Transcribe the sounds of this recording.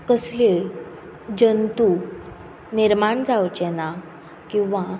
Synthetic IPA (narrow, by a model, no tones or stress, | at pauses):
kəsleɭ | d͡ʑənt̪u | niɾmaɳd͡zawt͡ɕena | kĩw̃ʋa